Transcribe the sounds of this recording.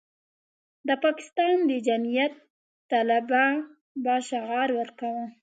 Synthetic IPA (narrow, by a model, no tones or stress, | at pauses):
d̪əpɑkɪ̥st̪ɑnd̪əd͡ʒamijat̪ː | alaba | bɑʃaɣɑɾwəɾkawə